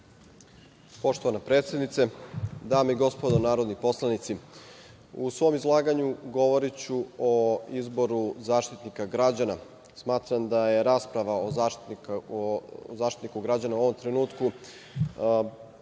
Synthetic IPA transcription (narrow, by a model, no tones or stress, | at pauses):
po̞ʃt̪o̞ʋanapɾe̞ːt̪sje̞d̪nit̪sed̪aːmeiɡo̞spo̞d̪onaːɾod̪nipo̞slˠanit̪si | usʋo̞mizlˠaːɡaɲuɡo̞ʋo̞ɾit͡ɕuoizbo̞ɾuzaːʃt̪it̪nikaɡɾad͡ʑana | smaːt̪ɾamd̪ajeɾaspɾaʋaoa | zaːʃt̪it̪nikuɡɾad͡ʑanauo̞ʋo̞mt̪ɾenuːt̪ku